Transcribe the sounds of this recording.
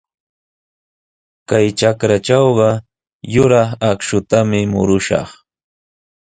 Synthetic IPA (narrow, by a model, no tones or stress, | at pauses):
kajt͡ʃakɾat͡ʃawɢɑ | jʊɾɑχakʃʊt̪amɪmʊ̰ɾʊʃɑ̰χ